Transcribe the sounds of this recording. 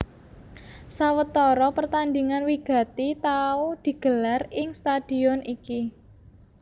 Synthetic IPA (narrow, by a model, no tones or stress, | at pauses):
sawət̪ɔɾɔpərt̪and̪iŋanwiɡ̥a̤t̪it̪aud̪̥i̤ɡ̥ə̤larɪŋst̪ad̪̥i̤ɔniki